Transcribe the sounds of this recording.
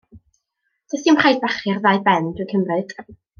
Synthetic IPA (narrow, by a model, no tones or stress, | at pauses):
tʰasimχajdbaχɪrðaɨbɛndɪkʰəmrɨd̥